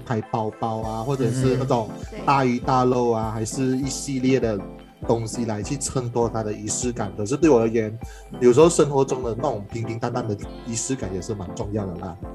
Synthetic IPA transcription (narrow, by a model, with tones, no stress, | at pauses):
pʰa˧˥ɪpa˥ʊpɑ˥ʊa˧xwɔ˥˩ʈ͡ʂə˨˩ʂɻ̩˥˧na˥˧˩ʈ͡ʂʊ˨˩ŋt̪a˥˧y˧˥t̪a˥˧lo˥˩ʊa˨xa˧˥ɪʂɻ̩˥˧i˥˧ɕi˥˧ljɛ˥˩d̪ə˩ | t̪ʊ˥ŋɕi˨la˧˥ɪt͡ɕʰy˥˩ʈ͡ʂʰə˥ŋt̪ʰwɔ˥t̪ʰa˥d̪ə˨i˧˥ʂɹ̩˥ka˨˩˦nkʰɤ˨˩ʂ̬ɻ̩˥˧t̪we˥˩ɪwɔ˨˩d̪ə˧˥jɛ˧˥n | jʂɻ̩˧˥xo˥˧ʊʂə˥nxwɔ˧˥ʈ͡ʂʊ˥ŋd̪ə˨na˥˩ʊ˨˩˨ŋ˩pʰi˧˥ŋpʰi˧˥ŋt̪a˥nt̪a˥˩nd̪ə˩ | i˧˥ʂɻ̩˥ka˨˦njɛ˨˩ʂɻ̩˥˩ma˧˦nʈ͡ʂʊ˥˧ŋjɑ˥˩ʊd̪ə˩lə̰˩˦